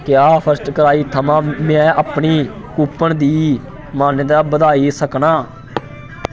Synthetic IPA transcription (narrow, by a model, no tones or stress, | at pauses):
kjaːpʰəɾsʈkəɾaːiːt̪ʰəmãːmɛ̃ːaːpɳiː | kuːpːəɳd̪iː | maːned̪aːbəd̪aːiːsəknaː